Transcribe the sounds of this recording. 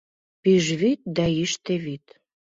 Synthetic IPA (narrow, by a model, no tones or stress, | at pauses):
piʒβit̪̚d̪æiʃt̪eβit̪